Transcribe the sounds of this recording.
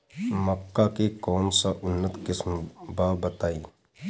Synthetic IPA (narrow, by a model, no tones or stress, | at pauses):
məkːakekɔːmsaʔʊnːət̪kɪsmbaːbɐt̪aːiː